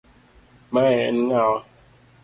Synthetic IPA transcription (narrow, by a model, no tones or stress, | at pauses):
maɛnŋawa